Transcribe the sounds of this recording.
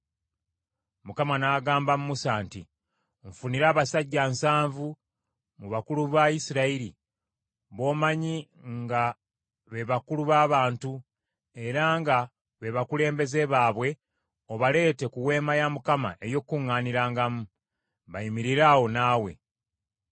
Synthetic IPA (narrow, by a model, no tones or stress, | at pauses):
mukamanaːɡaːmbamumusaːnti | ɱfuniɾaːβasaɟːansaːɱvu | muβakuluβajisiɾaiɾi | βo̞ːmaɲi | ŋɡa | βe̞βakuluβaːβaːntu | e̞ɾaŋɡa | βe̞βakule̞ːmbe̞ze̞βaːβwe̞ | oβale̞ːte̞kuwe̞ːmajamukama̰ʔe̞jo̞kːuŋːaːniɾaːŋɡamu | βajimiɾiɾaːwo̞naːwe̞̰